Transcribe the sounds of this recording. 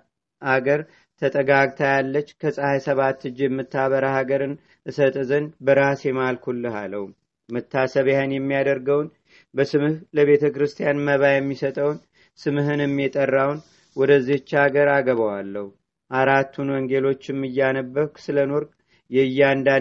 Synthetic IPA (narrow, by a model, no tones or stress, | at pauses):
ʔaɡəɾ | t̪ʰət̪ʼəɡaɡt̪ʰajalːət͡ʃːkʰəsʼahajsəβat̪ːɨd͡ʒːijɛmːɨt̪ːaβəɾəhaɡəɾɨn | ʔɨsət̪ʼɨzənbəɾasjɛmalkʰulːɨɦaləhu | mət̪ːasəβjaanjɛmːijad̪əɾɡəwn | bəsɨmɨhləβe̞t̪ʰəkɾɨst̪ʰijanməβajɛmːisət̪ʼəwn | sɨmɨɦɨnjɛmːjet̪ʼərːawn | wɔd̪əzːiht͡ʃːaɡəɾaɡəβəwalːəhu | ʔaɾat̪ːunwɔŋɡe̞lo̞t͡ʃːɪmːɨjːanəbːəkʰɨ̥sɨlənoɾkʼ | jɛɨjːand̪a